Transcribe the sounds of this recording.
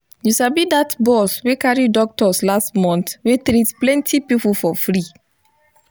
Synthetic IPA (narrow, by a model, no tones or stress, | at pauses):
juʃabidatbɔswekaɹidɔk̚tɔslastmɔ̃ntwetɾitplɛ̃ntʰipipufɔfɹi